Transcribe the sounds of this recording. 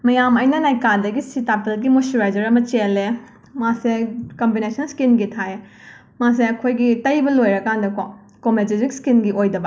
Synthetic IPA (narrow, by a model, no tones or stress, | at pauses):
mɐjamɐjnɐnajkadɐɡisitapelɡimosuɾajd͡ʒɐɾɐmɐt͡ʃele | masekɐmbinesɐnlskinɡitʰae | mas̬eɐkʰojɡitɐjbɐlojɾɐkʰandɐko | kometizikskinɡiʔojdɐbɐ